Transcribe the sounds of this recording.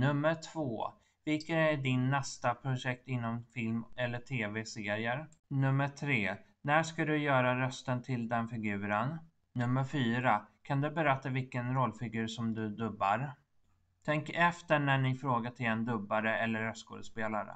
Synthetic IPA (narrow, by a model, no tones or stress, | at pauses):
nɵmːəɾʈʰv̥oː | vɪlkənæɖɪnːɛst̪apʰɾʊʂɛk̚t̪ɪnːɔmfɪlmɛlːəʈʰeːvɛseːɾɪəɾnɵmːəʈʰɾeː | næʂkad̪ɵjœːɾaɾœst̪ənt̪ʰɪld̪ɛnfɪɡʉ̟ːɾənː | ɵmːəɾfyːɾakʰand̪ɵbɛɾɛt̪ːavɪlkənɾɔlːfɪɡʉ̟ːɾʂɔmd̪ɵd̪ɵbːa̰ɾ | t̪ʰɛŋkɛft̪əɳæɳɪfɾoːɡaʈʰɪlɛnd̪ɵbːaɾəɛlːəɾœst̪ɡo̰ːd̪əspeːlaɾə̰